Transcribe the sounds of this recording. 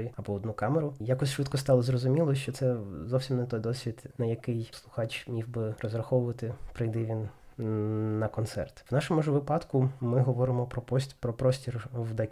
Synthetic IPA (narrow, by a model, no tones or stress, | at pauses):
ɪɐbɔɔd̪nukɑmeɾʊjɑkɔsʲʃʋɪt̪kɔst̪ɑlˠɔzrɔzʊmʲilˠɔʃt͡ʃɔt̪sɛzɔwsʲimnɛt̪ɔjd̪ɔsʲʋʲid̪nɐjɐkɪjslˠʊxɑt͡ʃmʲiwbɪrɔzɾɐxɔʋʊʋɐt̪ɪpɾɪjd̪ɪʋʲin | ɐkɔnt̪sɛ̰rt̪wnɑʃɔmʊʒʋɪpɑd̪kʊmɪɦɔʋɔɾɪmɔpɾɔpɔsʲpɾɔpɾɔsʲtʲirwd̪ɛk